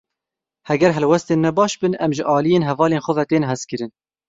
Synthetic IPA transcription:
hɛɡɛɾɦɛlwɛst̪eːnmɛbɑːʃbɨnʔɛmʒəʔɑːlijeːnɦɛvɑːleːnxʷɔvɛt̪eːnɦɛzkɨɾɨn

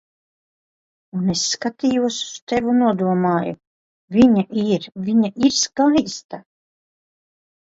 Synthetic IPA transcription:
unesːkat̪iːjuɔsu̥st̪evunuɔd̪uɔmaːjṵ | vʲiɲaʔiɾvʲiɲaʔiɾskajst̪a

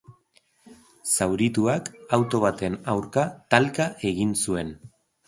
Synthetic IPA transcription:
sawɾit̪uakawt̪o̞β̞at̪e̞nawɾkat̪alkaʔe̞ɣinsue̞n

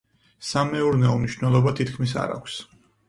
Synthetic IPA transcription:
samɛuɾnɛɔmniʃnɛlˠɔbat̪ʰit̪kʰmisa̰ɾa̰kʷʰs

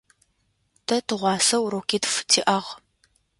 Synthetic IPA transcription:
tʰɐtʰɨʁʷɑːsɐwɾowkʰʲiːtftʰiːʔɐʁ

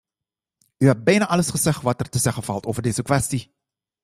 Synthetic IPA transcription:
yɦɛt̚bɛjnaʔɑləsχəzɛχʋɑtərtəzɛχəfɑlˠtoːvərdeːzəkʋɛsti

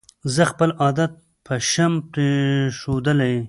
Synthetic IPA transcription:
zəxpəlɑd̪at̪̚ | pʰəʃamt̪eʃod̪əlaj

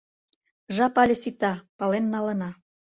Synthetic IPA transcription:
ʒɑpɑlʲĕsit̪ɑpɑlenːɑlə̆nɑ

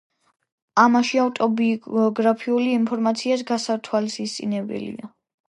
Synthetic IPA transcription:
amaʃiavt̪ʼɔbiɔɡɾapʰiuliːmpʰɔɾmat̪sʰiasɡasat̪ʰwalsist̪sʼinɛbɛ̰lḭa

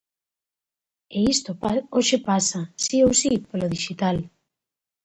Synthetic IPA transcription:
eist̪opoʃepasasiowsipoloðiʃit̪al

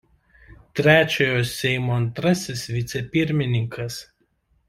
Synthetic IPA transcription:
t̪ʲɾʲæːt͡ʃʲoːjoːsʲɛɪmoːɐnt̪ɾɐsʲɪsʋʲɪt̪sʲɛpʲɪɾʲmʲɪnʲɪŋkʰɐs

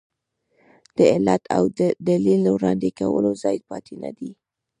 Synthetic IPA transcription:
d̪̥əɪlat̪ʰawd̪əd̪alilːəwɾɑnd̪ekawəlozɑjd̪̚pɑt̪enad̪i

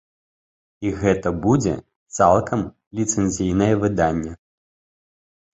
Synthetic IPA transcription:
iɣɛt̪ɐbud͡zʲɛ̰ | t̪salˠkʰɐm | lʲit̪sɛnʲzʲijnɐjɛvɨd̪anʲːɛ

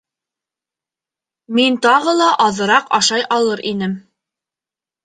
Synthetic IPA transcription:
mint̪ɑʁɤlˠɑʔɑðɤ̆ɾɑqɑʃɑjʔɑlˠɤɾinɘm

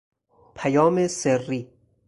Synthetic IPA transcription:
pʰæjɒːmeserːiː

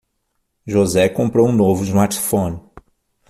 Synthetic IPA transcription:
ʒozɛkõmpɾowũnovʊizmaɾt͡ʃi̥fõnɪ

